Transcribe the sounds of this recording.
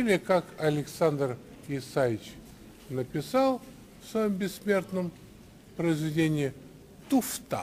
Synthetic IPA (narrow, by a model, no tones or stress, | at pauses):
ilʲɪkakɐlʲɪksand̪r | ɪsajɪt͡ɕ | nəpʲɪsalˠ | fsvɐjombʲɪsːmʲe̞rt̪nəm | pɾəɪzvʲɪdʲenʲɪɪ | t̪ʊft̪a̰